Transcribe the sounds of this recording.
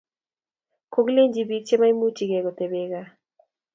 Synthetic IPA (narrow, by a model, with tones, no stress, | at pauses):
ko˦ɡle˦ɲd͡ʒi˨bi˦k̚t͡ʃe˦ma˦i˦mu˦t͡ʃi˨ɡe˨ɡo˨t̪e˨be˦ɡa˦